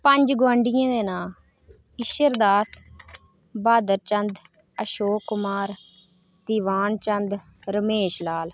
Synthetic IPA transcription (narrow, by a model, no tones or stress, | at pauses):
pəɲd͡ʒɡowaːɳɖɪjãːd̪eːnaːl | ɪʃəɾd̪aːs | baːd̪əɾt͡ʃənd̪ | əʃoːkːʊmaːɾ | d̪iːʋaːnt͡ʃənd̪ | ɾəmeːʃlaːl